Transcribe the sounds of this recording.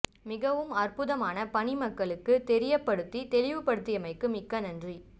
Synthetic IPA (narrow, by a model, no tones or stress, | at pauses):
mɪɣɐʋɯmɐrpʊðɐmaːnɐpɐnɪmɐkːɐɭɯkːɯt̪ɛɾɪjɐpːɐɽɯt̪ːit̪ɛlɪʋɯpɐɽɯt̪ːɪjɐmɐɪkːɯmɪkːɐnɐndri